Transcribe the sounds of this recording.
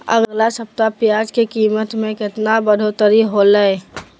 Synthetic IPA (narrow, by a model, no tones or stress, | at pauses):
ə̰ɡlasəp̚t̪apjad͡ʒkekiːmət̪mẽkɪt̪nabəd̪ʱot̪əɾiɦoləe